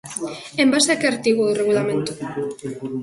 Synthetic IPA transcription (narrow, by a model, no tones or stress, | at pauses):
embasakeaɾt̪iɣoðoreɣ̞ulamẽnt̪o̥